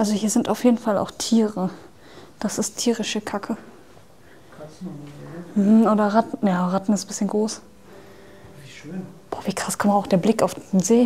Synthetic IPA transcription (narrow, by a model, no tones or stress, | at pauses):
ʔalzohiːɐzɪntaʊfjeːdn̩fala̰ʊxtʰiːʁə | d̥asɪsttʰiːʁɪʃəkʰakʰə | m̩hm̩ʔoːdɐʁatn̩jaːʁatn̩ɪstnb̥ɪsçənɡʁoːs | b̥ɔːviːkʁ̥askʰɔmtaʊxd̥eːɐblɪkaʊfd̥eːnzeː